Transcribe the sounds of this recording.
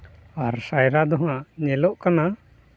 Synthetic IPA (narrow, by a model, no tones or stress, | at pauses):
aɾsajɾad̪ɔɦaʔɲɛlɔʔkana